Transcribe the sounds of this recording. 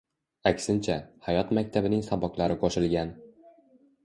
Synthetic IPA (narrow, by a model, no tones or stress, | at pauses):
akʲsɪnt͡ʃʰahajɒt̪mak̚ʲt̪ʰabɪnɪŋsabɒklaɾɪqʰɒʃɪlˠɡʲan